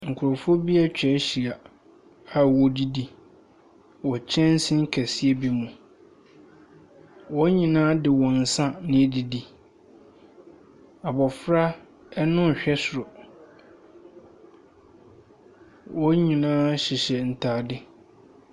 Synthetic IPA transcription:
ŋ̩˨kʰʊ˨ɾʊ˨fʊ˦ɔ˦bi˦ɛ˦t͡ɕᶣɛ˨˦ɕi˨a˨ | a˨wɔ˨di˦di˨ | wɔ˨t͡ɕʰɛ̃˦n̩˦sɪ̃˦ŋ̩˦kʰɛ˨si˦ɛ˦bi˦mũ˨ | wɔ˦ɲĩ˨nãː˦dɪ˨wɔ̃˨n̩˨sã˦nɪ̃˦di˦di˨ | a˨bɔ˨fɾa˦ | ɛ˦nʊ̃˦˨ɕᶣɛ˦sʊ˨ɾɔ˨ | wɔ˦ɲĩ˨nãː˦ɕɪ˨ɕɛ˨n̩˨tʰaː˨dɪ˦

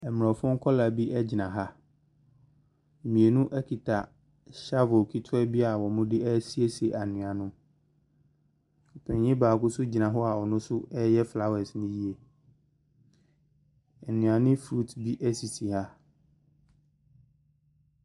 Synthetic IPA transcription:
ɛ˨m˨ɔ˨fʊ̃˦ŋ̩˦kʰɔ˦la˨bi˦ʔɛ˦d͡ʑi˨nã˨ɦa˦˨ | mĩ˨e˨nũ˦ʔɛ˦kʰi˨tʰa˨ | ɕa˦vʊ˨kʰi˦tʰʊ˦ɛ˦bi˦a˨wɔ˨mʊ̃˦dɪ˦ɛ˦si˦e˦se˨ʔa˨nʊ̃˨a˨nʊ̃˦ | ɔ˨pʰɛ̃˨ɲɲɪ̃˦baː˨kʊ˦sʊ˦d͡ʑi˨nã˨ɦɔ˦a˨ɔ˨nʊ̃˦sʊ˦ɛ˦jɛ˦fla˦wɛ˨snʊ̃˦ji˦e˨ | ɛ˨nɪ̃˨a˨nɪ̃˦fɾu˦˨tbi˦ʔæ˦si˨tʰi˨ha˦

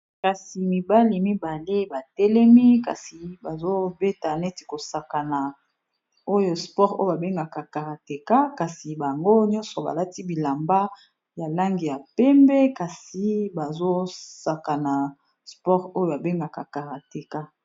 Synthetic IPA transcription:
ka˨si˨mi˨ba˦li˨mi˦ba˨le˦ba˨tɛ˦lɛ˦mi˦ka̰˨si˨ba˨zo˦be˦ta˨nɛ˦ti̥˨ko˨sa˨ka˨na˨ | o˦jo˨spɔ˦ʁo˦jo˦ba˨be˦ŋɡa˨ka˨ka˨ʁa˨te˨ka˦ka˨si˨ba˨ŋɡo˦ɲɔ̃˦nsɔ˨ba̰˨la˦ti˦bi˨la˨mba˦ | ja˨la˦ŋɡi˨ja˨pɛ˦mbɛ˦ka˨si˨ba˨zo˦sa˨ka˨na˨ | spɔ˦ʁo˦jo˦˨a˨be˦ŋɡa˨ka˨ka˨ʁa˨te˨ka˦

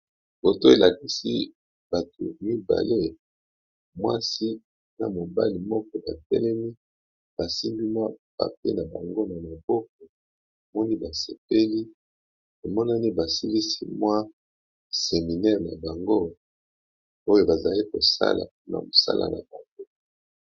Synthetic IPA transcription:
b̥o˨to˦e˨lʔa˨ki˦sḭ˦ | ba˨to̰˨mi˦ba̰˨le˦ | mwa̰˦si˦ | na˨mo˨ba˦li˨mɔ˦kɔ˦ba̰˨tɛ̰˦lɛ˦mi˦ | ba˨si˦mbi˦mwa˦pa̰˨pḛ˦na˨ba˨ŋɡo˦na˨ma˨bɔ˦k̚ɔ˨ | e˨mɔ˦ni˦ba˨se˨p̚e˦li˦ | e˨mɔ˦na˦ni˦ba˨si˦li˦si˦mwa˦ | se˨mi˨nɛ˦ʁna̰˨ba˨ŋɡo˦ | o˦jo˦ba˨za˨li˦ko˨sa̰˦la̰˨pu˦na̰˨mo˨sa̰˦la̰˨na̰˨ba˨ŋɡo˦

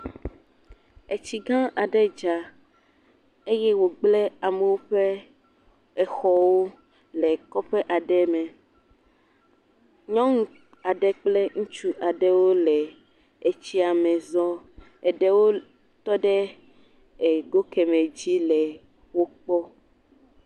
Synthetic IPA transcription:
e˨t͡ɕi˨ɡã˦ʔa˨ɖɛ˦d͡ʒa˨ | e˦jɛ˦wo˨ɡ͡blɛ˦a˨mɛ˨wo˦ɸɛ˦ | ɛ˨xɔ˦wo˦ | lɛ˨kɔ˦ɸɛ˦ʔa˨ɖɛ˦mɛ̃˨ | ɲɔ̃˦ŋũ˦ | a˨ɖɛ˦k͡plɛ˦ŋũ˦t͡ʃu˦ʔa˨ɖɛ˦wo˦lɛ˨ | e˨t͡ɕi˦a˨mɛ̃˨zɔ˦ | ɛ˨ɖɛ˦wo˦ | t̪ɔ˦ɖɛ˦ | e˨ɡo˦kɛ˨mẽ˨d͡ʑi˦lɛ˨ | wo˦k͡pɔ˦

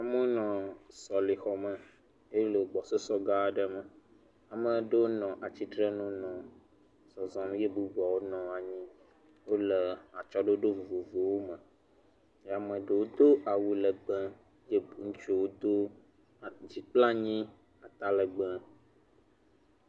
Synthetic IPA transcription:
a˨mə˦nɔ̃˨sɔ˨li˨xɔ˨mə˨ | e˦lo˨ɡ͡bɔ˨so˦sɔ˦ɡa˦ɖə˦mə˨ | a˨mə̃˨ɖə˦wo˦nɔ̃˨ʔa˨t͡ɕi˦t̪ɾə˦nũ˦nɔ̃˨ | sɔ˨zɔ̃˨nũ˦je˦bu˦bɔ˨wo˦nɔ̃˨a˨ɲĩ˦ | wo˦lə˨a˨t͡ʃɔ˦ɖo˦ɖo˦vo˨vo˨vo˨wo˦mə̃˨ | ja˨mə̃˨ɖə˨wo˦d̪o˦ʔa˨wu˦lə˨ɡ͡bə̃˦ | je˦ŋũ˦t͡ʃu˦wo˦d̪o˦˨ | d͡ʑi˨k͡pla˦ɲĩ˦ | a˨t̪a˨lə˨ɡ͡bə̃˦

